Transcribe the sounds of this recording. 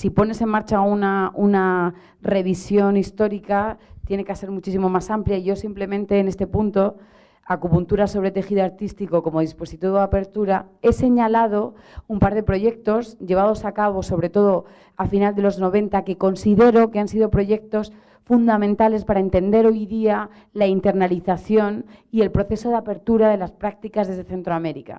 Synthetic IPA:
sipo̞ne̞se̞nmaɾt͡ʃaunauna | re̞β̞isjo̞nist̪o̞ɾikat̪je̞nekase̞ɾmut͡ʃisimo̞masampljaiʝo̞simple̞mẽ̞nt̪e̞ːne̞st̪e̞punt̪o̞ | akupunt̪uɾaso̞β̞ɾe̞t̪e̞xiðoaɾt̪ist̪iko̞ko̞mo̞ðispo̞sit̪iβoape̞ɾt̪uɾae̞se̞ɲalað̞o̞ | umpaɾð̞e̞pɾo̞ʝe̞k̚t̪o̞sʝe̞β̞að̞o̞sakaβ̞o̞so̞βɾe̞t̪o̞ð̞o | afinald̪e̞lo̞zno̞βẽ̞nt̪ake̞ko̞nsiðe̞ɾo̞ke̞ansiðo̞pɾo̞ʝe̞k̚t̪o̞s | fund̪amẽnt̪ale̞spaɾaent̪e̞nd̪e̞ɾo̞jðia | laint̪e̞ɾnaliθaθjo̞nie̞lpɾo̞θe̞so̞ð̞eape̞ɾt̪uɾaðe̞laspɾak̚t̪ikazðe̞zðeθe̞nt̪ɾoame̞ɾika̰

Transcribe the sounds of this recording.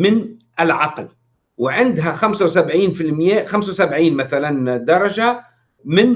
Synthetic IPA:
mɪnʔɪlʕɑql | wɪʕɪnd̪ɦaxamsawsabʕiːnfilmɪjæːʔxamsawsabʕiːnmaθaland̪ɑɾˤɑʒa | mɪn

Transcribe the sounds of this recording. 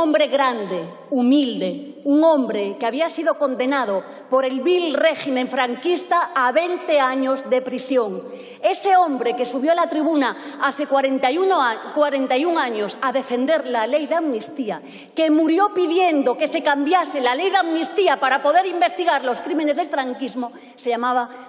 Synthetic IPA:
õmbɾeɣɾand̪e | umild̪euŋõ̞mbɾekeaβiasiðo̞ko̞nd̪e̞nað̞o | poɾe̞lβilreximẽɱfɾaŋkist̪aaβent̪eaɲozðepɾisjo̞ŋ | e̞seombɾe̞kesuβ̞jolat̪ɾiβ̞unaaθekwaɾent̪unkwaɾe̞nt̪ajuŋaɲosaðe̞fe̞nd̪e̞ɾlale̞jðamnist̪ia | kemuɾjo̞piðje̞nd̪okese̞kambjaselalejðamnist̪iapaɾapo̞ðe̞ɾimbe̞st̪iɣaɾlo̞skɾimenezðelfɾaŋkizmo | seʎamaβ̞a

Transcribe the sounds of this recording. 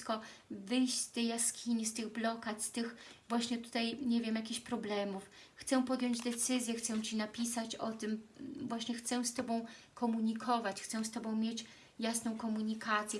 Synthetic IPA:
kɔvɘjɕt͡ɕst̪ɛjaskʲiɲist̪ɘɣblɔkat̪st̪ɘxvwaɕɲɛt̪u̥t̪ajɲɛvʲjɛmjakʲiɕpɾɔblɛmufxt̪sɛpɔd̪ʲjɔɲd͡ʑd̪ɛt̪sɘzʲjɛxt̪sɛwt͡ɕinapʲisat͡ɕɔt̪ɘmvwaɕɲɛxt̪sɛ̃st̪ɔbɔ̃w̃kʰɔmuɲikʰɔvat͡ɕxt̪sɛ̃st̪ɔbɔ̃w̃mʲjet͡ɕ | jasnɔ̃w̃kɔmuɲikat̪sʲjɛ

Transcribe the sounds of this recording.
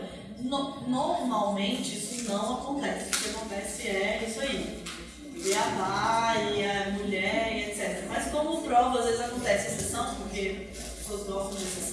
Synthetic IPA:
nonoɾɾmawmẽnt͡ʃɪisʊnɐ̃w̃akõnt̪ɛsɪ̥pʊɾkeakõnt̪ɛsɪɛisʊai | ɪɐmajɪɐmuʎɛɾiet̪sɛt̪eɾɐmɐskõmʊpɾɔvʊazvezɪzakõnt̪ɛsɪɐsesɐ̃w̃poɾke | kõɡ̪ɔst̪ɐ̃d̪ɛses

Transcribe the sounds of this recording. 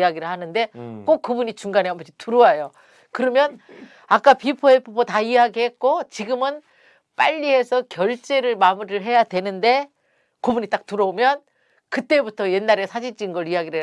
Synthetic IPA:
aɡiɾɯɭhanɯnde̞k͈ok̚k͈ːɯbuɲit͡ɕuŋɡaneɦambʌɕʰituɾoajo | kɯɾʌmjʌn | ak͈apipʰoepʰobotaiaɡihe̞t̚k͈ot͡ɕiɡɯmɯn | p͈a̰ʎːiɦe̞sʰʌkjʌɭt͡ɕ͈e̞ɾɯɭmamuɾɯɭɦe̞jadwe̞nɯnde̞ | kobuɲit͈ak̚tuɾʌomjʌn | kɯt͈e̞butʰʌje̞nːaɾesʰad͡ʑid͡ʑinɡʌɭiaɡiɾɯ

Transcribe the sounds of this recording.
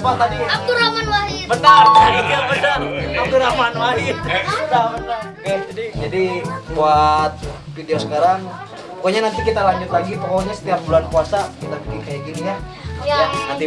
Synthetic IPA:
palt̪adiakuɾamanwaɦibət̪aabət̪arakuɾamanwaɦit̪bət̪abət̪akd͡ʒadid͡ʒadibuat̪̚fideosə̥kaɾaŋ | pokoɲanant̪ikit̪alaɲd͡ʒʊt̪laɡipɔkoɲasə̥t̪iap̚bulankuasakit̪apikikajaɡinija | aanant̪i

